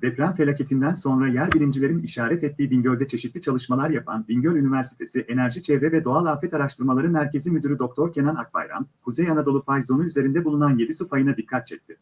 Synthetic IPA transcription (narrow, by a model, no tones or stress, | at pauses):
vɛpɾanfe̞lʲacʰe̞t̪ʰind̪ænso̞nɾajæɾbilʲimd͡ʒilʲe̞ɾiniʃaːɾɛt̪ʰɛt̪ʰːiːbiɲɟø̞lʲd̪ɛt͡ʃʰe̞ʃit̪lʲit͡ʃʰalˠɯʃmalˠaɾjapʰa̰nbiɲɟølʲynivæɾsi̥t̪ʰe̞siʔe̞næɾʒit͡ʃʰɛvɾɛvɛd̪o̞alˠaːfɛt̪aɾaʃt̪ʰɯɾmalˠaɾɯmæɾcʰe̞zimyd̪yɾyd̪o̞k̚t̪ʰo̞ɾcʰe̞nana̰k̚ba̰jɾa̰nkʰuzejanad̪o̞lˠufajzo̞nuyze̞ɾind̪ɛbulˠunanje̞d̪isufajɯnad̪ikʰːat̪̚t͡ʃʰɛc̚t̪ʰɪ̥